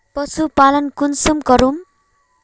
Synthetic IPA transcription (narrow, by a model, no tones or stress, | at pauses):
pʌsupalʌnkunsumkʌɾum